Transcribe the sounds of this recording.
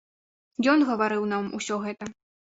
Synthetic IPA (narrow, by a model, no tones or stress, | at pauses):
jɔnɣɐvaɾɨwnamṵsʲɔɣɛt̪ɐ